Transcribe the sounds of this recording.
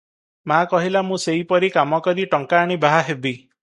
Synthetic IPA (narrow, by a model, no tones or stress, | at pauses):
makɔɦilamũseɦipɔɾikamɔkɔɾiʈɔŋkaːɽ̃ibaɦaɦebi